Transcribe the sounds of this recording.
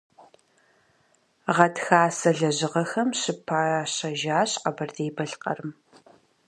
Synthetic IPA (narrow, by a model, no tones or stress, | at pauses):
ʁɐtxaːsɐɮɐʑɪʁɐxɐmɕɪpʰaːɕɐʒaːɕqɐbɐrdeːbɐɬqɐ̰rɨm